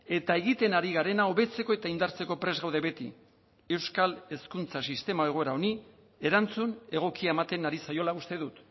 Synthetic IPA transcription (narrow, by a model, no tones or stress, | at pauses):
e̞t̪ae̞ɣit̪e̞naɾiɣaɾe̞nao̞βe̞t͡se̞ko̞e̞t̪aind̪aɾt͡se̞ko̞pɾe̞zɣawðe̞βe̞t̪ḭ | e̞wskale̞skunt͡sasist̪e̞maeɣ̞o̞e̞ɾao̞ni | e̞ɾant͡sune̞ɣ̞o̞kiaemat̪enaɾisajo̞laust̪e̞ðut̪